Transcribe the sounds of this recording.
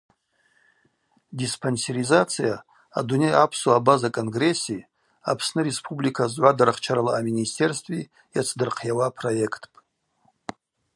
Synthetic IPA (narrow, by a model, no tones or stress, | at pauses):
dispʰonseɾizat͡sʰija | a̰dune̞japʰsuabazakʼo̞nɡre̞sːi | a̰pʰsnɨɾe̞spʰublikʰazʕʷadaɾaχt͡ʃʰaɾalaːmʲinistʰe̞rstʼvi | jat͡sʰdɨrqʰjawapʰro̞je̞kʰtʰpʼ